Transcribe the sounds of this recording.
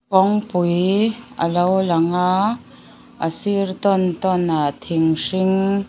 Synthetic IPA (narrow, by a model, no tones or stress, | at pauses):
kɔŋpujʔə̰lowlɐŋa | ʔəsirt̪ɔnt̪ɔnat̪ʰiŋʂiŋ